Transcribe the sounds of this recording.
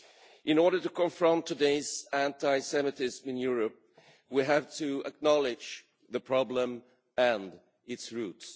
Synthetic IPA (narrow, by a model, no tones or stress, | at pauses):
ʔɨ̃nɔɹɾə˞tɨkʰə̃ɱfɹʌ̃ntʰːɨdeɪzæ̃ntaɪsɛmɨtɪzmɨ̃njʊɹɨp̚ | wiɦæv̥tʰɨə̰k̚nɑlˠɪ̥d͡ʒ | ðəpʰɹ̥ɑblə̃m | ɨ̃nd | ɪtsɹuts